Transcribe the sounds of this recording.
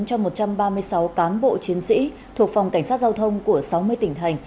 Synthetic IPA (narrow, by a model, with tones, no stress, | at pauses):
nt͡ɕɔ˧mo˨˩t̚t͡ɕa˧mɓaː˧mɨ˧əjsa˨˦wkaː˨˦nɓo̰˧˨t͡ɕi˨˦ənsḭ˧˥ | t̪ʰu˨˩ək̚fa˨˩wŋ͡mka˧˩ŋ̟saː˦˥t̚zaː˧wt̪ʰə˧wŋ͡mku˧˩əsa˨˦wmɨ˧əjt̪ï˧˩ŋ̟t̪ʰa˨˩jŋ̟